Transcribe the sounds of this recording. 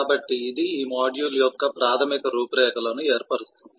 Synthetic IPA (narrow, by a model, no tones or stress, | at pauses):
aːbɐʈːiːd̪iiːmaːɖjuːljɔkːɐpɾaːt̪ʰɐmikɐɾuːpɾɛːɐkɐlɐnueːɾpɐɽust̪und̪i